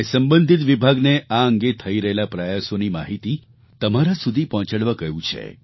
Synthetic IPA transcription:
səmbə̃nd̪ʱit̪ʋibʱaɡneʔaəŋɡet̪ʰəiɾəɦelapɾəjasonimaɦit̪i | t̪əmaɾasud̪ʱipɔɔ̃t͡ʃəɽʋakəɦjũt͡ʃʰḛ

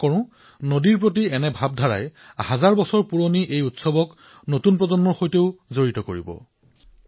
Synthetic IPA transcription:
kɔɹʊ̃ | nodiɹpɹot̬iɛnɛbʱab̚dʱaɹa̰j | hazaɹbɔsɔɹpuɹoniʔejutsɔbɔk | notunpɹɔzɔnmɔɹxojteʊzoɹitɔkoɹḭbɔ̰

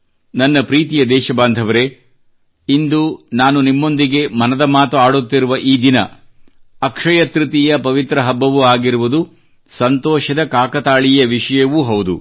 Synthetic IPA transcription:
nɐnːɐpɾiːt̪ijɐd̪ɛːʃɐbaːnd̪ʱɐʋɐɾe̞ | ind̪unaːnunimːo̞nd̪iɡe̞mɐnɐd̪ɐmaːt̪uaːɽut̪ːiɾuʋɐʔiːd̪inɐ̰ | ɐkʂɐjɐt̪ɾut̪ijɐpɐʋit̪ɾɐɦɐbːɐʋuaːɡiɾuʋud̪u | sɐnt̪ɔːʃɐd̪ɐkaːkɐt̪aːɭijɐʋiʂɐjɐʋuɦɐwud̪ṵ

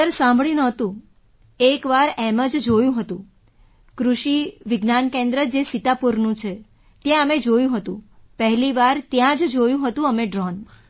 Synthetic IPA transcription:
əɾsãmbʱɭinɔt̪ũ | ekʋaɾeməd͡ʒd͡ʒojũɦət̪ũ | kɾuʃiʋɪɡnankẽnd̪ɾəd͡ʒesit̪apuɾnũt͡ʃʰe | t̪jãəmed͡ʒojũɦət̪ũpəɦliʋaɾt̪jãd͡ʒd͡ʒojũɦət̪ũəmeɖɾɔn

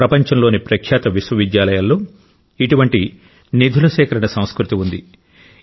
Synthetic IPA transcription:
ɾɐpɐɲt͡ʃɐnlo̞ːnipɾɐkʰjaːt̪ɐʋiswɐʋid̪jaːlɐjalːo̞ː | iʈuʋɐɳʈi | nid̪ʱulɐʃɛːkɐɾɐɳɐsɐ̃mskɾut̪iund̪i

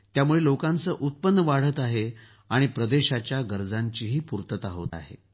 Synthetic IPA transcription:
t̪jamuɭelokant͡səːʔut̪̚pənːəʋaɽ̤ət̪aɦe | aɽ̃ipɾəd̪eɕat͡ɕjaɡəɾd͡zaɲt͡ɕiːɦiːpuɾt̪ət̪aɦo̰t̪a̰ɦḛ

